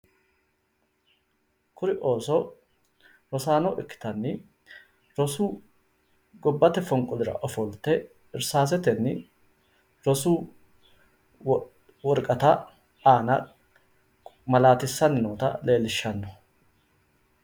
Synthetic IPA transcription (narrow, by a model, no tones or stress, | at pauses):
kʰʊɾɪʔo̞ːsɔ | ɾɔsaːnɔʔɪkːɪ̥t̪ɐnːɪ | ɾɔsuː | ɡɔbːɐt̪ɛfɔŋkʼʊlɪɾɐ̰ʔɔfɔlt̪ɛ | ɪɾsaːs̬ɛt̪ɛnːɪ | ɾɔsuː | wɔɾkʼɐt̪a | aːnɐ | mɐlaːt̪ɪsːɐnːɪnoːt̪ɐ̰le̞ːlɪʃːɐnːɔ̥